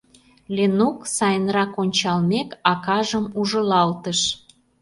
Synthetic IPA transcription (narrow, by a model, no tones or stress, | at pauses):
lʲenuksɑjənrɑkonʲt͡ɕɑlmekɑkɑʒəmuʒə̆lɑlt̪əʃ